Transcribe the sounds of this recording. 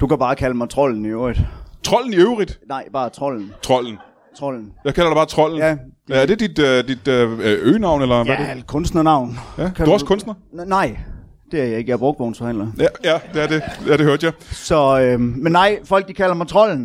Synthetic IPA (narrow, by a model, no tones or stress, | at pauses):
d̥ukʰæb̥ɑ̈ːkʰæləmɑ̈ɪt͡sʰʁɔ̽l̰n̩iøʊid̥t͡sʰʁɒ̽l̰n̩iøʊʁid̥nɑ̈ɪb̥ɑ̈ːt͡sʰʁɒ̽ln̩t͡sʰʁɒ̽l̰n̩ | t͡sʰʁɒ̽l̰n̩jɑ̈ɪkʰælɐd̥eb̥ɑ̈ːt͡sʰʁɒ̽l̰n̩jæd̥æɐd̥e̝d̥id̥d̥id̥øːnɑ̈ʊ̰nelɐʋædekʰɔ̽nsd̥nɐnɑ̈ʊ̰njædkʰæuæɐskʰɔ̽nsd̥nɐnɑ̈ɪ̰ | d̥e̝æɐjɑ̈e̝ɡ̥əjb̥ʁɔ̽ɡ̥̚ʋɔːnsfɒ̽hæn̰lɐjæjæd̥e̝æɐd̥eæɐd̥eøɐ̰d̥jɑ̈ɪsɒ̽ømenːɑ̈ɪ̰fɒ̽l̰ɡ̥̚d̥ikʰælɐmɑ̈ɪt͡sʰʁɒ̽l̰n̩